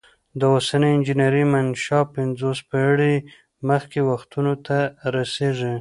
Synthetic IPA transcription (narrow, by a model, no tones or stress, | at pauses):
d̪əosanəjɪnd͡ʒinaɾimanʃɑpɪnzospaɽi | məxkewaxt̪unot̪aɾaseʐi